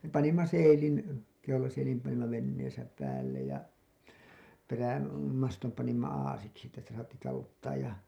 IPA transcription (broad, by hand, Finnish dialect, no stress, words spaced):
me pɑnimːɑ seilin keulɑseilim pɑnimːɑ ʋenːeːsæ pæːlˑej jɑ peræ mɑstom pɑnimːɑ ɑːsiksi etːæ sitæ sɑːtːi tɑlutːɑːj jɑ